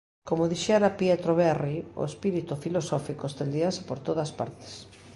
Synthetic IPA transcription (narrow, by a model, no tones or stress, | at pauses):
komoðiʃɛɾapjet̪ɾoβɛrio̰espiɾit̪ufilosɔfikoest̪end̪iase̥poɾt̪oðɐspa̰ɾt̪e̥s